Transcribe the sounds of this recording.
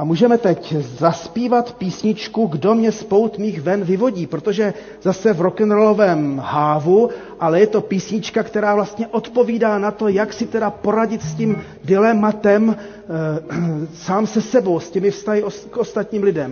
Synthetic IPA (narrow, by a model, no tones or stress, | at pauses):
ʔamuːʒɛmɛt̪ɛczaspiːvat̪piːsɲɪt͡ʃkuɡdo̞mɲɛspo̞wt̪miːxvɛnvɪvo̞ɟiːpɾo̞t̪o̞ʒɛ | zasɛvɾo̞kɛnɾolo̞vɛːmhaːvu | ʔalɛjɛt̪o̞piːsɲɪt͡ʃkakt̪ɛɾaːvlast̪ɲɛʔo̞t̪po̞viːdaːnat̪o̞jaksɪt̪ɛdapo̞ɾaɟɪt̪scim | dɪlɛmat̪ɛm | saːmsɛsɛbo̞wscɛmɪfst̪aɦɪokʔo̞st̪at̪ɲiːmlɪdɛm